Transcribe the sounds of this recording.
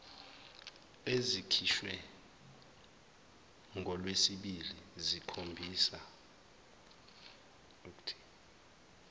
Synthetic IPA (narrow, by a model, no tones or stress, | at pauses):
ezikʰiʃwɛ | ŋɡʱɔlwesiɓilizikʰombʱiːsa | uk̬ʼu̥tʰi̥